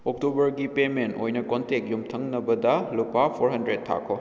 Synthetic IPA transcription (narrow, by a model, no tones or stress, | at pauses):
ok̚tubɐɾɡipementojnɐkontek̚jumtʰɐŋnɐbɐdɐlupapʰoɾɦɐndɾetʰːa̰kʰːo